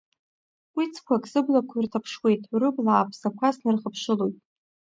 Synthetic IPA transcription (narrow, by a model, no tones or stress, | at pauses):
wit͡sʰkʷʰakʼsɨblakʷʰirtʰapʰʂwe̞jtʼɾɨblaːpʰsakʷʰasnɨrχəpʰʂɨlojtʼ